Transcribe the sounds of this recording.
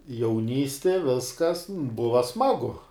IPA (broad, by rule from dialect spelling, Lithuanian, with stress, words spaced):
jɛʊˈnʲiːsʲtʲɪ ˈʋʲɪskɐs ˈbʊʋɐ ˈsmɑːɡʊ